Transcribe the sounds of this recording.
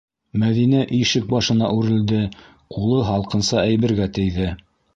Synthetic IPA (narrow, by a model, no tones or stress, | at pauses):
mæðinæʔiʃɘk̚bɑʃɤ̆nɑʔʉɾɘ̆ld̪ɘ | qʰulˠɤɦɑlˠqɤ̆nsɑæjβɘ̆ɾɡæt̪ɘ̆jðɘ